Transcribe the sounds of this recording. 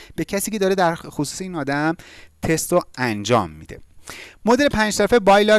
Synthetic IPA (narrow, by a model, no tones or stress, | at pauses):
b̥e̞cʰæsiːcʰed̪ɒːɾed̪æɾxosu̥ːseiːnɒːd̪æmt̪ʰe̞st̪oænd͡ʒɒ̰ːmːḭd̪̥e̞̰mod̪elepʰæːnd͡ʒsæfebɒjlɒɾ